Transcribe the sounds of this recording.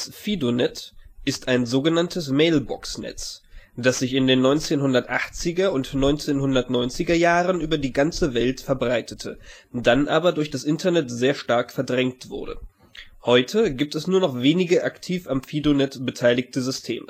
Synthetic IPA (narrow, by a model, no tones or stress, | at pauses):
asfiːdonɛtʔɪstaɪnzoːɡənantʰəsmeɪlbɔ̰ksnɛ̰t͡sd̥asz̥ɪçɪndeːnːɔʏnt͡seːnhʊndɐtʔaχt͡sɪɡɐʊntnɔʏnt͡seːnhʊndɐtnɔʏnt͡sɪɡɐjaːʁənʔyːbɐdiːɡant͡səvɛltfɛɐbʁaɪtʰətʰə | d̥anʔaːbɐdʊɐçd̥asʔɪntɐnɛtz̥eːɐʃtaɐkfɛɐdʁɛŋktv̥ʊ̰ɐdə̰ | hɔʏtʰəɡiːp̚tɛsnuːɐnɔχveːnɪɡəʔaktʰiːfamfiːdonɛtb̥ətʰaɪlɪktəzʏstʰḛːmə